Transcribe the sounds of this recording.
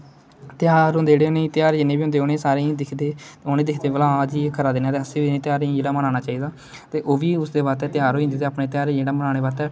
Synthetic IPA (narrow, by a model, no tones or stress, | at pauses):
t̪ɪjaːɾɦʊ̃nd̪eːd͡ʒeːɽeːoneːt̪ɪjaːɾeːd͡ʒɪnːẽːbiːʊ̃nd̪eːonẽːsaːɾẽːd̪ɪkʰd̪eːoːnẽːd̪ɪkʰd̪eːʋəlãːd͡ʒiːkʰəɾaːd̪ɪnaːt̪eːəsĩːbinẽːt̪ɪjaːɾed͡ʒeɽaːmənaːñaːt͡ʃaːiːd̪aː | t̪eːʔoːʋiːʊsd̪eːbaːt̪ɛːt̪ɪjaːɾoːiɦʊnd̪eːt̪eːaːpneːt̪ɪjaːɾeːd͡ʒeːɽaːmənaːɽeːʋaːt̪ɛː